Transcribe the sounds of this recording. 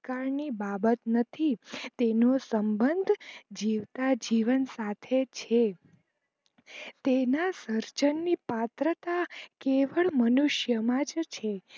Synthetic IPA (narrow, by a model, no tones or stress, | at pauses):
kaɾnibabət̪nət̪ʰit̪enosəmbənd̪ʱd͡ʒiʋt̪ad͡ʒiʋənsat̪ʰet͡ʃʰe | t̪enasəɾt͡ʃənːipat̪ɾət̪akeʋəɭmənuʃjəmãd͡ʒt͡ʃʰe